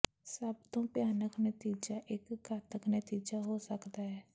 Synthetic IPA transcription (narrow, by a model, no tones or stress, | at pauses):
səbt̪õːpjaːnəknət̪iːd͡ʒaʔɪkɡʱaːt̪əknət̪iːd͡ʒaɦoːsəkd̪aːɦɛː